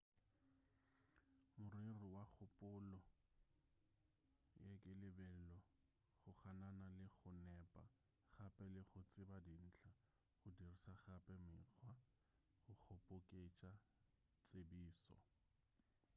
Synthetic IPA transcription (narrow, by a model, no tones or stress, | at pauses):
mʊrirɪwak͡xʰʊpʼʊlɔ | jekʼɪlɪbɛlɔ | χʊχananalɪχʊnɛpʼa | χapʼɛlɪχʊt͡sʼɪbadin̩ːt͡ɬʰa | χʊdirisaχapʼɛmɪk͡xʰwa | χʊk͡xʰopʼʊkʼet͡ʃʼa | t͡sʼebiːsɔ̰